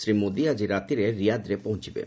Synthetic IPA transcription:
sɾimod̪iad͡ʑiɾat̪iɾeɾijad̪ɾepoɦũt͡ɕʰibḛ

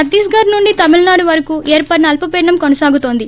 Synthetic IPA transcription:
ɐd̪iːsɡaːɾnuɳɖit̪ɐmilnaːɽuʋɐɾɐkuːʔeːɾpɐʈnɐɐlpɐpenɐmkonɐsaːɡut̪o̞ːnd̪i

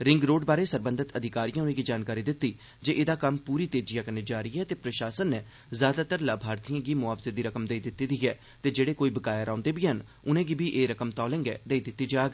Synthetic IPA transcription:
ɾɪ̃ŋɡɾoːɖbaːɾeːsəɾbənd̪ət̪əd̪ʱɪkaːɾijãːʊiːɡiːd͡ʒaːnkaːɾiːd̪ɪt̪ːiː | d͡ʒeːʔɪd̪aːkəmpuːɾiːt̪eːd͡ʒɪjaːkəneːd͡ʒaːɾiːɦɛːt̪eːpɾəʃaːsənːɛː | zjaːd̪aːt̪əɾlaːbʱaːɾt̪ijãːɡiːmʊaːpseːd̪iːɾəkəmd̪eːid̪ɪt̪ːiːd̪iːɛː | t̪eːd͡ʒeːɽeːkoːiːbəkaːjaːɾãːnd̪eːbiːɦən | ʊnẽːɡibiːʔeːɾəkəmt̪ɔːlɪ̃ːŋɡɛ̰ːd̪eːiːd̪ɪt̪ːiːd͡ʒaːɡ

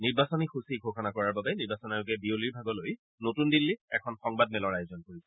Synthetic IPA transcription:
niɹbasɔnixusiɡʱokʰanakɔɹaɹbabɛniɹbasɔnajuɡɛbioliɹbʱaɡɔloj | notundilːiɛ̰kʰɔnxɔŋbadmɛlɔɹajʊzɔnkoɹisɛ̥

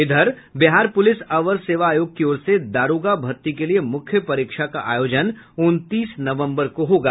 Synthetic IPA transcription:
ɪd̪ʱəɾ | bɪɦaːɾpʊlɪsɐʋəɾseːʋaaːjoːɡ̚kioːɾsed̪aːɾoːɡabʱɐɾt̪ikeliemʊkʰjəpɐɾiːkʃakaʔa̰ːjoːd͡ʒən | ʊnt̪iːsnɐʋə̃mbəɾkoɦoːɡa̰ː

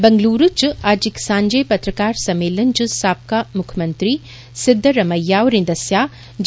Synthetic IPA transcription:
bɐŋɡluːɾut͡ʃuad͡ʒiksãːɲd͡ʒɐjpɐt̪ɾɐkaːɾsɐmeːlɐnt͡ʃusaːp̚kaːmʊkʰɐmɐnt̪ɾiː | sɪd̪ʱːɐɾɐmɐjːaːwɾĩnd̪ɐsjaː | d͡ʒ

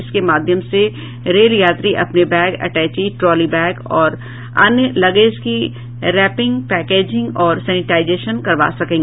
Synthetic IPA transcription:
ɪskemaːd̪ʱjəmse | ɾeːljaːt̪ɾiʔɐ̰pnebɛːɡɐ̰ʈɛːt͡ʃiʈɾɔːlibɛːɡɔːɾ | ɐ̰njəlɐɡeːski | ɾɛːpɪ̃ŋɡpɛːkeːd͡ʒɪ̃ŋɡɔːɾsɛːnɪʈaːɪzeːʃənkɐɾʋa̰ːsɐkẽːŋɡeː

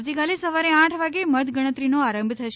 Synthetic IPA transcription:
t̪ikalesəʋaɾeãʈʰʋaɡemət̪ɡəɽ̃ət̪ɾinoaɾə̃mbʱt̪ʰəʃ

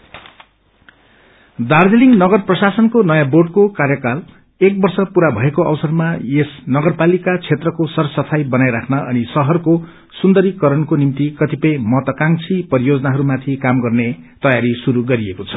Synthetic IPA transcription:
d̪ard͡zeliŋnʌɡʌrprʌsasʌnkonʌjaboɖkokarjʌkal | ek̚bʌrsʌpuɾabʱʌekoʌ̰wsʌrmaesnʌɡʌrpalikat͡sʰet̪rʌkosʌrsʌpʰajbʌnajɾakʰnʌʔʌnisʌɦʌrko | sund̪ʌɾikʌɾʌnkonimt̪ikʌt̪ipʌjmʌt̪ʌkaŋt͡sʰipʌɾijod͡zʌnaɦʌɾumat̪ʰikamɡʌrnet̪ʌjaɾisuɾuɡʌɾiekot͡sʰʌ̥

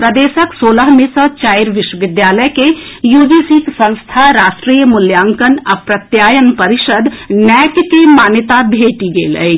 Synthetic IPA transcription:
pɾɐd̪eːʃəksoːləɦmẽsə̃t͡ʃaːɪɾʋɪʃwəʋɪd̪jaːləjkejuːd͡ʒisiksə̃nst̪ʰaɾaːʃʈɾiːjəmʊljaːŋkənɐpɾɐt̪jaːjənpɐɾɪʃəd̪nɛːk̪kemaːnjət̪abʱeːʈiɡḛːlə̰e

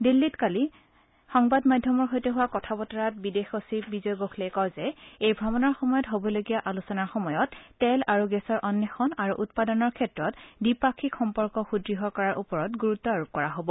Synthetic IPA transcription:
dilːitkali | xɔŋbadmadʱjɔmɔɹɦojtɛɦʊwakɔtʰabɔtɔɹat̚bidexosip̚bizɔjɡokʰlejkɔwzɛejbʱɹɔmɔnɔɹxɔmɔjɔtɦobɔloɡijaʔalusɔnaɹxɔmɔjɔtːɛlaɹuɡɛsɔɹʔɔnjɛxɔnaɹuʔutpadɔnɔɹkʰɛtɹɔtbipakʰikxɔmpɔɹkɔxudɹiɦɔkɔɹaɹʔupɔɹɔtɡuɹutːɔaɹup̚kɔɹaɦobɔ

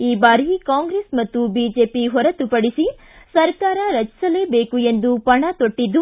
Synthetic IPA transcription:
iːbaːɾikaːŋɡɾeːsmɐt̪ːubiːd͡ʒe̞ːpiɦɔɾɐt̪upɐɽisi | sɐɾkaːɾɐɾɐt͡ʃi̥sɐle̞ːbeːkue̞nd̪upɐɳɐt̪oʈːid̪ːu

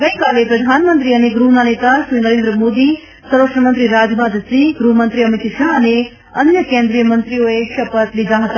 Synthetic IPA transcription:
ɡəjkalepɾɐd̪ʱanmənt̪ɾiəneɡɾuɦnanet̪aʃɾinəɾeːnd̪ɾəmod̪i | səɾʋəkʂɳəmənt̪ɾiɾad͡ʒmad̪sĩɡɾuɦmənt̪ɾiɐmit̪ʃaɦəne | ɐnjəkẽnd̪ɾijəmənt̪ɾioeʃɐpət̪lid̪ʱaɦət̪a

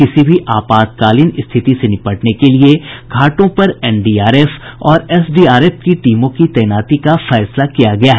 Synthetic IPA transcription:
kɪsibʱiʔaːpaːd̪̚kaːlɪnɪst̪ʰɪt̪isenɪpəʈnekelieɡʱaːʈõpɐɾɛːnɖiːaːɾeːfɔːɾɛːsɖiːaːɾeːfkiʈiːmõkit̪ɛːnaːt̪ikafɛːslakijaɡɐjaɦɛ

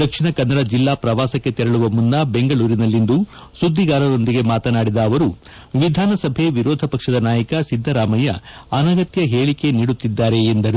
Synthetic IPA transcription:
d̪ɐkʂiɳɐkɐnːɐɽɐd͡ʒilːaːpɾɐʋaːsɐkːe̞t̪ɛɾɐɭuʋɐmunːɐbe̞ŋɡɐɭuːɾinɐlːind̪u | sud̪ʱːiɡaːɾɐd̪o̞nd̪iɡe̞maːt̪ɐnaːɽid̪ɐːʋɐɾu | ʋid̪ʱaːnɐsɐbʱe̞ʋiɾɔːd̪ʱɐpɐkʂɐd̪ɐnaːjɐkɐsid̪ʱːɐɾaːmɐjɐ̰ɐnɐɡɐt̪jɐɦeːɭike̞niːɽut̪ːid̪ːaːɾe̞ːnd̪ɐɾu

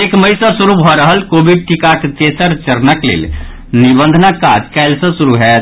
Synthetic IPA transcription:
ekməjsəsuɾubʱɔɾəɦəlkobʱiɖ̚ʈikakt̪esəɾt͡ʃəɾnəklḛl | nibənd̪ʱənəkːad͡ʒkɛɪlsə̃suɾuɦɛt̪

